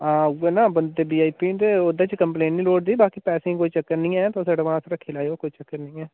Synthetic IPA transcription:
ãːeːnãːbənd̪eːbiːaːiːpiːt̪eːod̪ãːt͡ʃkəmplẽːɳʈnĩːloːʈd̪iːbaːkiːpɛːsẽːkoːiːt͡ʃəkːəɾnĩːɛːt̪õːsaːɽeːʋãːsɾəkʰːeːlaːjoːkoːiːt͡ʃəkːəɾnĩːɛː

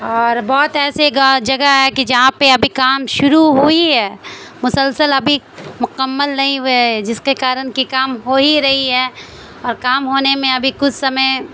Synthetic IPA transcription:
ɔːɾbɔːt̪ɛːseɡd͡ʒɐɡaɦɛkid͡ʒɐɦãpeɐbʱikaːmʃʊɾuɦuiɦɛːmʊsəlsəlɐbʱi | mʊkəmːəlnɐɦĩd͡ʒɪskekaːɾənkikaːmɦoːiɾɐɦiɦɛː | ɔːɾkaːmɦoːnemẽɐbʱikʊt͡ʃʰsɐməj

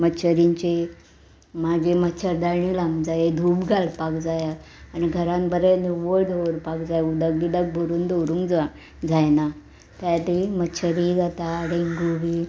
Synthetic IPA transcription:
məɕʰəɾiɲt͡ɕe | mad͡ʑʱemətːt͡ɕʰəɾd̪aɾɳilamd͡zajed̪ʱuːbɡʱalpakd͡zajaaniɡʱəɾãnbəɾɛnuʋəɭd̪ʱoɾpakd͡zajud̪əɡlid̪ək̚bʱoɾuːnd̪ʱoɾũŋkd͡za | d͡zajna | t̪jat̪iməɕʰəɾid͡zat̪aɽeŋɡuʋi

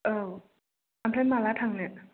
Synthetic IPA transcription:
ʔɤː | atʰanmaːlaːt̪ʰaŋniʔ

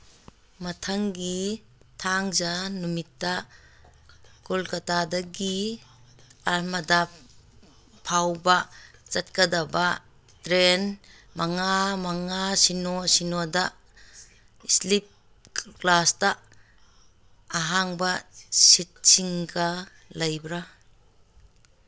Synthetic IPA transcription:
mɐtʰaŋɡi | tʰaŋzanumitːa | kɔlkatadaɡi | aɾmɐda | pʰawbat͡ʃɐt̚kadaba | tɾen | maŋamaŋasinɔsinɔda | islip̚ | klasta | ɦaŋbasit̚siŋka | lajbɾa

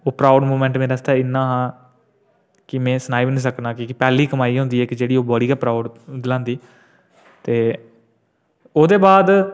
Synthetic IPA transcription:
oːpɾaːʊɖmoːmɛ̃ːɳʈmeːɾaəst̪aːɪnːãːɦãː | kɪmɛ̃ːsənaːibnĩːs̬əknãːkiːkɪpɛːliːkəmaːiːɦʊ̃nd̪iːɛːkd͡ʒeːɽiːoːbɔːɽiːɡaːpɾaːʊɖd̪ɪlãːnd̪iː | t̪eː | oːd̪eːbaːd̪

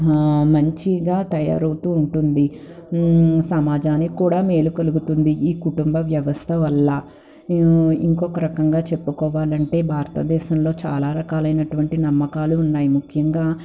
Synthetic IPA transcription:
mɐɲt͡ʃiɡaːt̪ɐja̰ːɾɐwt̪uːɳʈund̪i | sɐmaːd͡ʒaːnikuːɽaːmeːlukɐluɡut̪und̪iiːkuʈumbɐʋjɐʋɐst̪ʰɐʋɐlːɐ | ḭŋkɔkɐɾɐkɐŋɡaːt͡ʃe̞pːukɔːʋaːlɐɳʈe̞ːbʱaːɾɐt̪ɐd̪ɛːʃɐmlo̞ːt͡ʃa̰ːlaːɾɐkaːlɐjnɐʈuʋɐɳʈinɐmːɐkaːluːnːaːjimukʰjɐŋɡaː

